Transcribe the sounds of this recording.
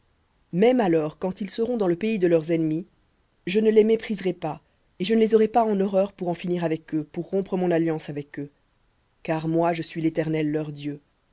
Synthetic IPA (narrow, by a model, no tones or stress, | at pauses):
mɛmalɔʁkɑ̃t̪ilsəʁɔ̃d̪ɑ̃ləpeid̪əlœʁzɛnmi | ʒənəlemepχizʁɛpa | eʒənəlezɔʁɛpaɑ̃nɔʁœʁpuʁɑ̃finiʁavɛkøpuʁːɔ̃pχəmɔ̃naljɑ̃savɛkø | kaʁmwaʒəsɥilet̪ɛʁnɛlːœʁd̪jø